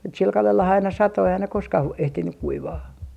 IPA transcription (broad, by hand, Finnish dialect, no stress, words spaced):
mut sil kɑlelhɑ ɑinɑ sɑto eihæn ne koskɑh ʋoi ehtinyk kuiʋɑː